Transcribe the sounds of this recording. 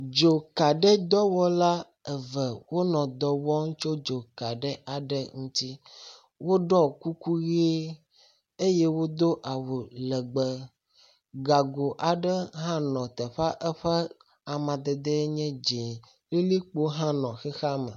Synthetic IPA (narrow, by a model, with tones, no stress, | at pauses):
d͡ʒo˨ka˨ɖɛ˦d̪ɔ˦wɔ˦la˦ | ɛ˨vɛ˨wo˦nɔ̃˨d̪ɔ˨wɔ˦ŋũ˦t͡ʃo˦d͡ʒo˨ka˨ɖɛ˦a˨ɖə˦ŋũ˦t̪i˦ | wo˦ɖɔ˦ku˦ku˦ɣe˦ | e˦je˦wo˦d̪o˦ʔa˨wo˨lɛ˨ɡ͡bə˨ | ɡa˨ɡo˨ʔa˨ɖə˦ɦã˦nɔ̃˨t̪ɛ˨ɸa˦ʔɛ˦ɸɛ˦ | a˨mã˨d̪ɛ˨d̪ɛ˦ɲɛ̃˦d͡ʒe˨ | le˦li˦k͡po˦ɦã˦nɔ̃˨xɛ˦xa˦mə̰˨